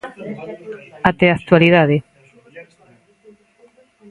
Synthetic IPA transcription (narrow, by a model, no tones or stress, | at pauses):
at̪eakt̪waliðaðe